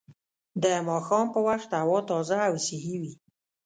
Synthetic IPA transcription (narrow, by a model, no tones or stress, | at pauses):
d̪əmɑxɑmpəwaxt̪awɑt̪ɑzaːwsɪɦiwi